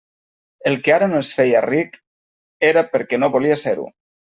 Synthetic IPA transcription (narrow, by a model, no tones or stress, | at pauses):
elˠkeaɾanoesfejarik | eɾapeɾkɛnoβoliaseɾṵ